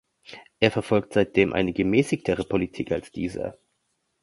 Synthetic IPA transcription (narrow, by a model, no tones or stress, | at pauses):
ʔeːɐfɛɐfɔlk̚tz̥aɪt̚d̥eːmʔa̰ɪnəɡəmɛːsɪçtʰəʁəpʰolitʰiːkalsd̥ḭːzɐ̰